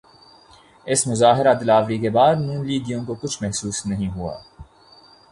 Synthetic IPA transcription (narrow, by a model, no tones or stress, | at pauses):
esmʊzaːɦɪɾad̪ɪlaːvɾiːkebɑːɾnũːnliːd̪ijõːŋkokʊt͡ʃʰmɛhsuːsnɐɦĩːɦuɑ̰ː